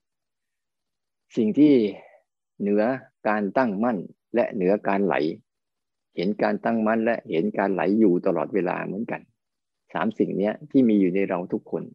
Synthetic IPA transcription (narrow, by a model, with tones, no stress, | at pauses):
si˨˩ŋt̪ʰiː˥˩ | nɯ˩˦ɐkaː˧nt̪a˥˩ŋma˥˩n | lɛ˦˥ʔnɯ˨˩˦ɐkaː˧nla̰˩˦j | he˩˦nkaː˧nt̪a˥˩ŋma˥˩nlɛ˦˥ʔhe˩˦nkaː˧nla̰˩˦jːuː˨˩t̪a˧lɔ̰ː˨˩t̪̚weː˧la̰ː˧mɯ̰˩˦ənka̰˧n | sa̰ː˩˦msi˨˩ŋni˦˥ɐt̪ʰiː˥˩miː˧juː˨˩na˧jɾa˧wt̪ʰu˦˥kʰːo˧n